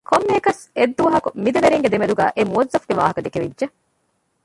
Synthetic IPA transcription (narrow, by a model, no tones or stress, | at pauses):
kʰomːeɦekɐs | ed̪ːuʋɐɦɐkumid̪ɐʋeɾiŋɡed̪emed̪uɡæ̰ːʔemuɐzːɐfɡeʋa̰ːɦɐkɐd̪ekeʋḭdʒe